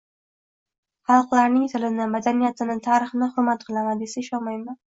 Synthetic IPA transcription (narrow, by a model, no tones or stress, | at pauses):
χɑlˠqlˠaɾnɪŋt̪ʰɪlɪnɪmad̪anijat̪ɪnɪt̪ʰɑɾɪχnɪhʊɾmat̪qʰɨlˠamad̪esɪʃɑmajma